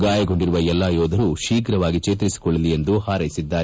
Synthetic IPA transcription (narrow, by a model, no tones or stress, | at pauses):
ɡaːjɐɡo̞ɳɖiɾuʋɐɛlːaːjɔːd̪ʱɐɾuʃiːkɾɐʋaːɡit͡ʃeːt̪ɾisi̥koɭːɐlije̞nd̪uhaːɾɐjisid̪ːaː